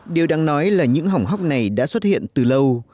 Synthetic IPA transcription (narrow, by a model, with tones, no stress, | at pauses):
ɗi˨˩əwɗaː˧ŋnɔ˨˦jlaː˨˩ɲɨ̰˧˥ŋɦa˨˩wŋ͡mɦa˦˥wk͡p̚na˨˩jɗa̰ː˧˥swə˦˥t̚hḭ˧˨ənt̪ɨ˨˩lə˧w